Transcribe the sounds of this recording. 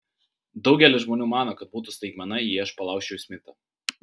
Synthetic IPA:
d̪ɒʊɡʲɛlʲɪʒmoːnʲuːmɑːnoːkɐt̪̚buːt̪ust̪ɐɪɡmʲɛnɐjiːɐʃpɐlˠɑˑʊkʲʃt͡ʃʲɛʊsʲmʲɪt̪ʲɐ

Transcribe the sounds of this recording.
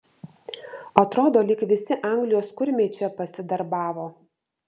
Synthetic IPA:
ɐt̪ɾoːd̪oːlʲɪkʋʲɪsʲɪʔɑˑŋɡlʲɪjoːskʊɾʲmʲeːt͡ʃʲɛpɐsʲɪd̪ɐɾbɑːʋoː

